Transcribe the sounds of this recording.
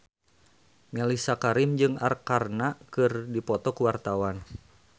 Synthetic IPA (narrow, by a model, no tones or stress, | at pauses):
mɛlisakaɾimd͡ʒɨŋa̰rkarnakɨrdipɔt̪ɔkuwart̪awan